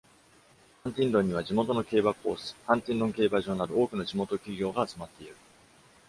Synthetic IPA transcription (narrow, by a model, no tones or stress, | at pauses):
hãnt̪ʲĩnd̪õ̞ɲ̟ːiβ̞ad͡ʑimo̞t̪o̞no̞ke̞ːbako̞̰ːsɨ̥hãnt̪ʲĩnd̪õ̞ŋke̞ːbaʑo̞ːnaɾɯ̟o̞ːkɯ̟no̞ʑimo̞t̪o̞kʲiɡʲo̞ːɡaːt͡sɨmat̪ːe̞iɾɯ̟